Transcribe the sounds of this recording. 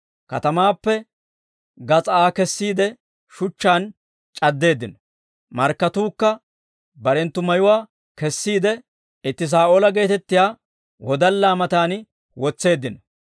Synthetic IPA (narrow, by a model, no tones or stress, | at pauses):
kɐ̰t̪ɐmaːpːɛ | ɡɐt͡sʼaːkɛsːiːd̪ɛ | ʃʊt͡ʃːaːn | t͡ʃʼɐd̪ːe̞ːd̪ːɪnɔ | mɐɾkːɐt̪uːkːɐ | bɐɾɛnt̪ːʊmɐjʊwaː | kɛsːiːd̪ɛ | ɪt̪ːɪs̬aːʔoːlɐɡe̞ːt̪ɛt̪ːɪjaː | wɔd̪ɐlːaːmɐt̪aːn | wɔt͡sːe̞ːd̪ːɪnɔ